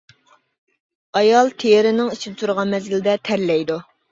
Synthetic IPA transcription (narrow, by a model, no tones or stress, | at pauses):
ɑjɑlˠt̪ʰejɪɾɪnɪŋisɪt̪ʰuɾʁɑnmɛzɪlɪd̪ɛt̪ʰɛɾlɛjd̪u